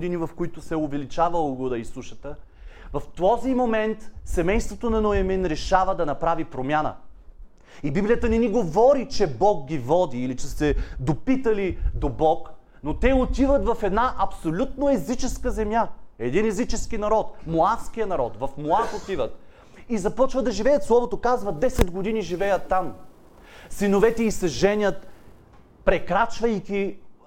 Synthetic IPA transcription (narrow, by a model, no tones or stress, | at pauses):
d̪inivɐfkoit̪ʊsɛovɛlit͡ʃavɐlˠɡud̪ɐisˠuʃɐt̪ə | vɐft̪ɔzimomɛnt̪sɛmɛjst̪vot̪onɐnoɛminɾɛʃavəd̪ɐnɐpɾavipɾomʲjanə̰ | ibiblijət̪ənɛniɡovɔɾit͡ʃɛbɔɡɡʲivɔd̪iːlit͡ʃɛsɛd̪opit̪ɐlid̪obɔk | not̪ɛot̪ivət̪vɐfɛd̪naʔɐpsolʲut̪̚noɛzit͡ʃɛskəzɛmjaɛd̪inɛzit͡ʃɛskinɐɾɔt̪moafskijənɐɾɔ̰t̪vɐfmoaxot̪ivət̪ | izɐpɔt͡ʃvəd̪ɐʒivɛjət̪slˠɔvot̪okazvɐd̪ɛsɛd̪ɡod̪iniʒivɛjət̪ːam | sinovɛt̪ɛisɐʒɛnʲət̪ | pɾɛkɾat͡ʃvɐjkʲi